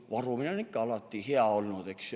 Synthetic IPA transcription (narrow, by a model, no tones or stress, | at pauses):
ʋɑrominænikkæɑlɑt̪ːiːheæolʲnot̪eks